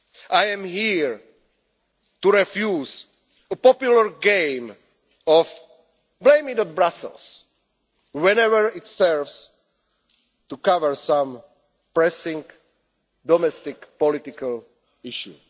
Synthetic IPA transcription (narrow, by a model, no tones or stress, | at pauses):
ʔajɛ̃mhiɹ | t̪uɹɛfjuːz | əpɔpjulaɹɡẽɪm | ɔf | blẽɪ̃mĩŋdɔtbɾasə̰lˠs | wɛ̃nɛvəɹɪt̪sɛɹvs | t̪ukavəɹsãm | pɹɛsɪ̃ŋ | d̪ɔmɛst̪ɪkpɔlɪt̪ɪkal | ɪʃjṵ